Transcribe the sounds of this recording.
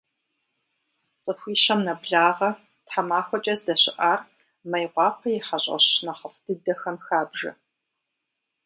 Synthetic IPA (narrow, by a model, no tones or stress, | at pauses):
t͡sʼɨxʷiːʃɐmnɐbɮaːʁɐ | tħamaːxʷɔt͡ʃʼɐzdɐɕɪʔaːr | mɐjʁʷɑːpʷʰɐjɪħaɕʷʼɐ̰ɕnɐχəfd̥ɨdɐxɐmxaːbʒɐ̰